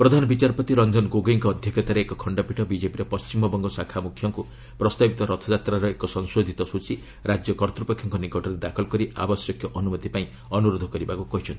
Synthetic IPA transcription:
pɾɔd̪ʱanɔbit͡ʃaɾpɔt̪iɾɔnd͡ʒɔnɡoɡiŋkɔːd̪ʱjɔket̪aɾeekɔkʰɔɳɖɔpiʈʰɔbid͡ʒepiɾɔpɔst͡ʃimɔbɔŋɡɔsakʰamukʰːjɔŋku | pɾɔst̪abit̪ɔɾɔt̪ʰɔd͡ʒat̪ɾaɾɔekɔsɔŋsod̪ʱit̪ɔsut͡ʃi | ɾad͡ʒjɔkɔɾt̪ɾupekʰjɔŋkɔnikɔʈɔɾed̪akʰɔlkɔɾia̰bɔsjɔkjɔʔɔnumɔt̪ipaĩ | ɔnuɾod̪ʱɔkɔɾibakukɔɦit͡ʃʰɔnt̪i̥

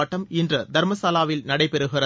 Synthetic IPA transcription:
ɐʈːɐmɪndrɐd̪ɐɾmɐsaːlaːʋɪlnɐɽɐɪpɛɾɯɣɪrɐ

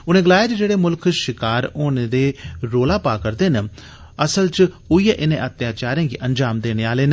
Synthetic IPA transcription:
ʊnẽːɡəlaːjeːt͡ʃd͡ʒeːɽeːmʊlkʰʃɪkaːɾoːneːd̪eːɾoːlaːpaːkəɾd̪eːnə | əsəlt͡ʃ | ʊiːeʔɪnẽːʔət̪jaːt͡ʃaːɾẽːɡiːʔənd͡ʒaːmd̪eːneːaːleːn

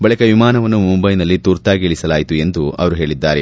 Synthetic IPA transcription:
bɐɭikɐʋimaːnɐʋɐnːumumbɐjnɐlːit̪uːɾt̪aːɡeɭisɐlaːjit̪ue̞nd̪uʔɐ̰ʋɐɾuɦe̞ːɭid̪ːaːɾe

